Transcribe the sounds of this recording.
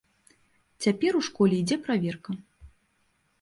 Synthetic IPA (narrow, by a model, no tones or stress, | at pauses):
t͡sʲapʲɛɾuʂkɔlʲɛjid͡zʲɛpɾavʲɛrkɐ